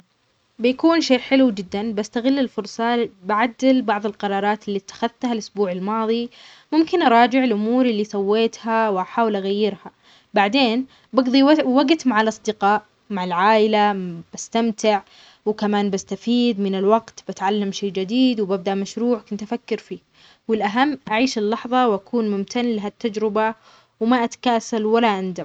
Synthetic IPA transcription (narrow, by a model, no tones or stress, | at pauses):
bɪjakuːnʃeːʔħɪlud͡ʒɪd̪ːanbast̪aɣɪlːɪlfʊɾsˤɑbaʕad̪ːɪlbɑʕðˤɪlqɑɾˤɑːɾˤɑːt̪ɪlːit̪ːḁxaðt̪halʔʊsbuːʕalmɑːðˤi | mʊmkɪnʔɑɾˤɑːd͡ʒɪʕɪlʔʊmuːɾɪlːisˤɑwːeːt̪hawɪʔaħaːwɪlʔaɣajːɪɾha | baʕd̪eːn | bɑɡðˤiwaɡt̪maʕalʔɑsˤd̪ɪqɑːʔ | maʕalʕaːʔɪlab̥ast̪amt̪ɪʕ | wɪkamaːnbast̪afiːd̪mɪnɪlwaɡt̪bat̪ʕalːamʃeːd͡ʒɪd̪iːd̪wɪbab̚d̪aʔmaʃɾuːʕkʊnt̪ʔafakːɪɾfiː | wɪlʔaɦamːʔaʕiːʃɪlːɑħðˤɑwʔakuːnmʊmt̪ʰanlaɦat̪ːad͡ʒɾɪba | wɪmaʔat̪ḁkaːsalwalːaʔand̪a